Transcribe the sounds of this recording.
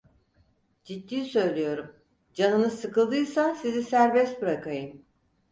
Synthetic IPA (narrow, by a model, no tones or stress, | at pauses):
d͡ʒid̪ːiːisø̞jlʲijo̞ɾum | d͡ʒanɯnɯsɯkɯlˠd̪ɯjsasizisæɾbɛst̪̚bɯɾakʰajɯm